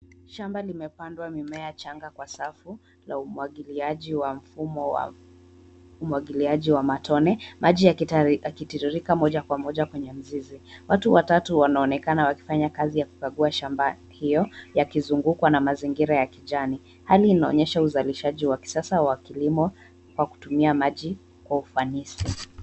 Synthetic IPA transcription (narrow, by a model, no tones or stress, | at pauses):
ʃambalimɛpandwamimɛat͡ʃaŋɡakwasafu | la̰uailiaʄiwam̩fumɔ̰ | umuwaɠiliaʄiwamatɔnɛmʔaʄijaakitiɾuɾikamɔʄakwamɔʄakwɛɲɛm̩ziziwatuwatatuwanaɔnɛkanawaki̥faɲakazijaku̥kaɠuaʃamba | hijɔjakizuŋɡukwanamaziŋɡiɾajakiʄani | haliːnaɔ̰ɲɛʃauzaliʃaʄiwaki̥sasawakilimɔ | kwaku̥tumiamaʄi | kwaufanisi